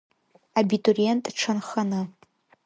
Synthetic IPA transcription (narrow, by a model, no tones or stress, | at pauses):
abitʼorientʼʈ͡ʂʰanχanɨ